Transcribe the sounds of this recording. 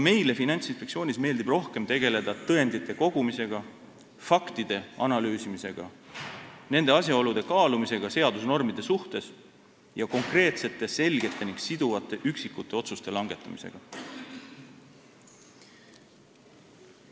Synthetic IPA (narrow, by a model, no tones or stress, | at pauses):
me̞jle̞finɑnʲt̪sinspekt̪sio̞ːnʲisme̞ːld̪̥ibro̞hke̞mt̪e̞ɡe̞le̞d̪̥ɑt̪ɤe̞nd̪̥it̪ːˑe̞ko̞ɡ̥umise̞ɡ̥ɑ | fɑkt̪id̪̥e̞ɑnɑlyːsimise̞ɡ̥ɑ̰ | ne̞nd̪̥e̞ɑs̬ʲjɑo̞lud̪̥e̞kɑːlumise̞ɡ̥ɑse̞ɑd̪usno̞rmid̪̥e̞suht̪e̞s | jɑko̞ŋkre̞ːt̪se̞t̪ˑːe̞se̞lɡ̥e̞t̪ːˑe̞niŋɡ̥sid̪̥uvɑt̪ˑːe̞ʔyksikːˑut̪ˑːe̞o̞t̪sust̪e̞lɑŋɡe̞t̪ːˑɑmi̥se̞̰ɡ̥ɑ